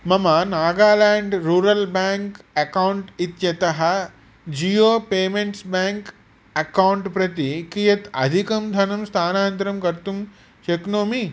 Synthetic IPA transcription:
mɐmɐnaːɡaːlaːɳɖɾuːɾɐlbaːŋkɐkawɳʈit̪jɐt̪ɐɦɐ̆ | d͡ʒiːjoːpeːmeɳʈsbaːŋk | ɐkawuɳʈpɾɐt̪ikijɐt̪ɐ̰d̪ʱikɐmd̪ʱɐnɐmst̪ʰaːnaːnt̪ɾɐmkɐɾt̪um | t͡ʃeknoːmi

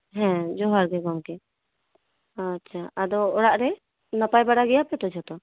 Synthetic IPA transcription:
ɦɛ̃d͡ʒɔɦaɾɡɛɡɔmkɛ | atːt͡ʃʰaad̪ɔɔɽaʔɾɛ | nəpajbaɽaɡɛjapɛt̪ɔd͡ʒʱɔt̪ɔ

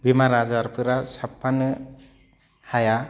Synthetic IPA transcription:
bimaɾazaɾpʰɯɾasapʰːanɯ | haja

